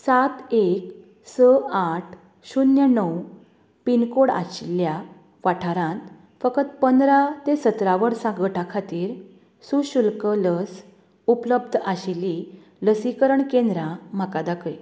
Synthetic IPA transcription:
sat̪ek | səaʈʰ | ɕunjənəw | pinkoɽa̰ɕilja | ʋaʈʰaɾãnt̪ | fəkət̪pənd̪ɾat̪esət̪ɾaʋəɽsãɡəʈakʰat̪iːɾ | suɕulkələs | upləb̚d̪ʱaɕili | ləsikəɾəɳkẽnd̪ɾãm̤akad̪akəj

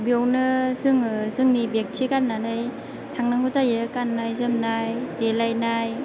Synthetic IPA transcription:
bjownɯzɯŋzɯŋnibek̚tʰikanːanɯj | tʰaŋnaŋuzajɯkanːajzɯmnajdelajnaj

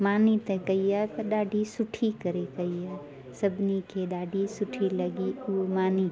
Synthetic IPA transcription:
maːnit̪ekɐɪjaɖaːɖʱisʊʈʰikɐɾekɐija | sɐbnikeɖaːɖʱisʊʈʰilɐɡiomaːni

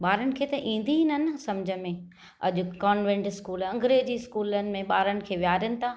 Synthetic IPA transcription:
ɓaːɾəñɪ̆kʰeːt̪ɐʔĩːn̆d̪iɦnənsɐmd͡ʑʱəmẽ | ɐ̰ʄʊ̆kaːnʋẽɳʈɪskuːlɐ̃ŋɡɾed͡ʑiːskuːlənɪ̆mẽɓaːɾənɪ̆kʰeːʋjaːɾənɪ̆t̪ʰaː

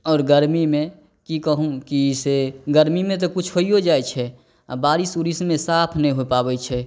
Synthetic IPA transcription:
ɔːɾɡəɾmimẽ | kikəɦũkiseɡəɾmimẽt̪̬okʊt͡ʃʰɦoiɦod͡ʒaːjt͡ʃʰɛ | baːɾisuɾismẽsaːpʰnəĩɦopaːbɛt͡ʃʰɛ

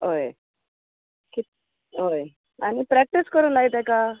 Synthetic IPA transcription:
ɦoje | kit̪̚ | ɦoj | añipɾæk̚ʈiskəɾuːnlaɦit̪ɛka

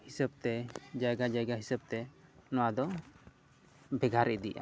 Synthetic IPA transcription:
hisəb̚t̪ɛd͡ʒajɡad͡ʒajɡaɦisəb̚t̪ɛnɔwad̪ɔ | bɛɡʱaɾid̪ijʔa̰

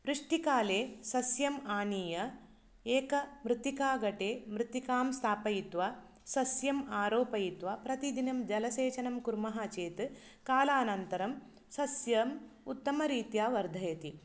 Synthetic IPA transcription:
ʋɾuʂʈikaːleːsɐsjɐmaːniːjɐ | eːkɐmɾɪt̪ikaːɡɐʈeːmɾɨt̪ikaːmst̪ʰaːpɐjit̪ʋɐ | sɐsjɐmaːɾoːpɐjit̪ʋɐpɾɐt̪id̪inɐmd͡ʒɐlɐseːt͡ʃɐnɐmkuɾmɐɦaːt͡ʃeːt̪ɨ | kaːlaːnɐnt̪ɐɾɐm | sɐsjɐmut̪ːɐmɐɾiːt̪jaːʋɐɾd̪ʱɐjɐt̪i

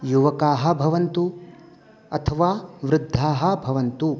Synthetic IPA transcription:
juʋɐkaːɦɐ̆bʱɐʋɐnt̪u | ɐ̰t̪ʰɐʋaːʋɾɪd̪ʱːaːɦɐ̆bʱɐʋɐnt̪u

